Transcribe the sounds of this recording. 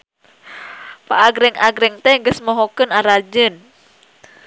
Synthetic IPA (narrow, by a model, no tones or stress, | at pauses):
pa̰ʔːɡɾɛŋaɡɾɛŋt̪ɛŋɡəsmɔɦɔkənaɾad͡ʒən